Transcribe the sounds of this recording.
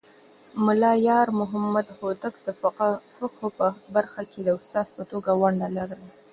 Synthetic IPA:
mʊlɑjɑɾmʊɦamad̪hot̪akd̪əffaqhopəbaɾxakʰed̪əʊst̪ɑzpət̪oɡawaɳɖalaɾəa

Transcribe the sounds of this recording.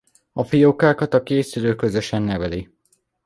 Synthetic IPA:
ɒfijokaːkɒt̪ɒkeːsyløːkø̞zø̞ʃɛnːɛvɛli

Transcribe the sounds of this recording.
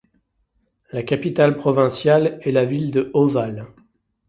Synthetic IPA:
lakʲapit̪alpχɔvɛ̃sjalɛlavild̪əʔɔval

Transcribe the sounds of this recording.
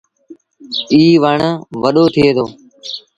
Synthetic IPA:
iːʋəɳəʋəɗoːt̪ʰɪeːd̪oː

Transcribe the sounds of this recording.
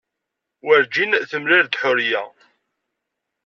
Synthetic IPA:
wəɾd͡ʒinθəmɾiɾd̪ħʊɾjæ̰

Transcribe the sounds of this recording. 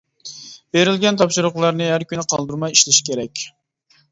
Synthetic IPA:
b̥eɾɪlɡʲɛnt̪ʰɑpʃuɾʊqlˠɑɾnɨɦæɾkʲynɪqʰɑlˠd̪uɾmɑjiʃlɪʃi̥kʲʰeɾɛkʲ

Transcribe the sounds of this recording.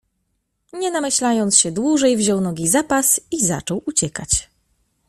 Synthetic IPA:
ɲɛnamɘɕlajɔnt̪sɕɛd̪wuʐɛjvʑɔwnɔɡʲizapasiza̰t͡ʂɔwut͡ɕɛkat͡ɕ

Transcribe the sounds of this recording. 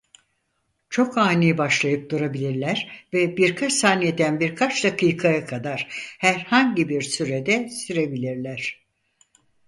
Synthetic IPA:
t͡ʃʰo̞kaːnijbaʃlˠajɯp̚d̪uɾabilʲiɾlʲæɾvɛbiɾkʰat͡ʃsaːnijed̪ænbiɾkʰat͡ʃd̪akʰɯjkʰajakʰad̪aɾ̥hæɾhaɲɟibiɾsyɾed̪ɛsiɾe̞bilʲiɾlʲæɾ̝̥

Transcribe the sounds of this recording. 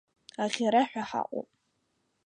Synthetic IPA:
aχʲaɾaħʷᶣaħa̰qʷʼo̰pʼ

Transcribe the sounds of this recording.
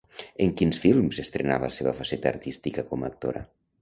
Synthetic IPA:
eŋkinsfilˠmzest̪ɾenaβəlaseβəfasɛt̪aːrt̪ist̪ikəkɔmaːk̚t̪oɾə

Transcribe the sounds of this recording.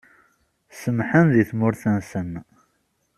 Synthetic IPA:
səmħənðiθmʊɾθænsən

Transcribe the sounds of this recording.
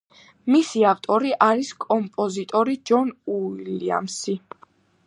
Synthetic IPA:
misiaft̪ʼɔɾiʔaɾiskʼɔmpʼɔzit̪ʼɔɾid͡ʒɔnuilia̰msi

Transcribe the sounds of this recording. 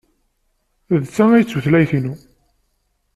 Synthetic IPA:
ðt͡sːææjt͡sːuθlæjθinu

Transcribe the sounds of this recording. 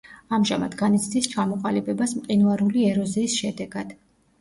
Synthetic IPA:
amʒa̰mad̪ɡanit̪sʰd̪ist͡ʃʰamɔqʼalibɛbasmqʼinvaɾuliɛɾɔziːsʃɛd̪ɛɡad̪̥

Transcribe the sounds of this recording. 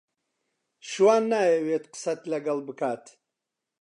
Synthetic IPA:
ʃwaːnːaːjɛweːt̪qə̥sɐt̪lɐɡɐlbɨkʰaːt̪ʰ

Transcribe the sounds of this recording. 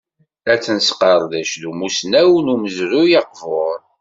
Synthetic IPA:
æt͡sːənsqəɾˤðæʃðumusnæwnuməzðujɑqvoɾˤ

